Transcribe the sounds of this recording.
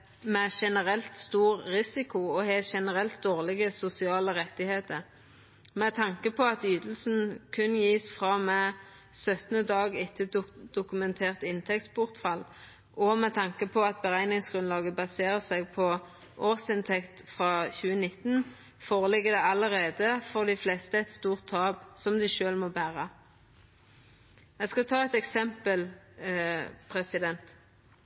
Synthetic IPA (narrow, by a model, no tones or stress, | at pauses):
mɛʃɛnəʁɛlt̪st̪uːʁʁɪsɪkʊɔheːʃɛnəʁɛlt̪̚d̪oːʁlɪɡəsʊsɪɑːləʁɛt̪ːɪheːt̪əʁ | mɛt̪ʰɑŋkəpʰɔɑt̪yːd̪l̩sn̩kʰʉnjiːsfʁɑmɛ | sœt̪ənəd̪ɑːɡɪt̪ʰɪd̪̥ʊkʉmɛnt̪ʰeːʁt̪ɪnt̪ʰɛktsbʊʁt̪fɑl | ʔɔmɛt̪ʰɑŋkəpʰɔɑt̪̚bəʁæɪnɪŋsɡ̥ʁʉnlɑːɡəbɑseːʁəsɛɡ̚pʰɔ | ʔoːʁsɪnt̪ʰɛkt̪fʁɑːçʉːənɪt̪n | foːʁəlɪɡːəd̪ɛɑləʁeːd̪əfɔʁd̪ɪflɛːst̪əɛt̪st̪uːʁt̪ʰːɑːbsɔmd̪ɪʃøːlmɔbæːʁə | ɛɡskɑt̪ʰɑːɛt̪ɛksɛmpəl | pʰʁɛsɪd̪ɛnt̪